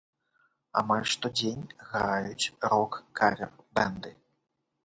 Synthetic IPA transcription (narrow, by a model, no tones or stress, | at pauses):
a̰malʲʂt̪ɔd͡zʲenʲɣɾajut͡sʲɾɔkːavʲɛrbɛnd̪ɨ